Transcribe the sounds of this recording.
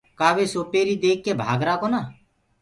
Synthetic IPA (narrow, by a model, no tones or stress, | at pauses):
kaːʋeːsoːpeːɾiːd̪eːkːeːbʱa̰ːɡɾaːkoːnaː